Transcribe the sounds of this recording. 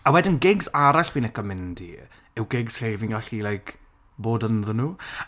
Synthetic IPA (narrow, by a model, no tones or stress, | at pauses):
awɛdɪnɡɪɡzaɾaɬwiːnɛkɔmɪndḭ | ɪwɡɪɡz̥evinɡaɬilajk | boːdənðənuː